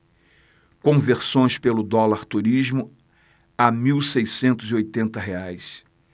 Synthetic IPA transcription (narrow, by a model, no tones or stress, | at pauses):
kõveɾsõj̃spelʊd̪ɔlaɾt̪uɾizmʊ | amiwsejsẽnt̪ʊziojt̪ẽnt̪ɐɦeajs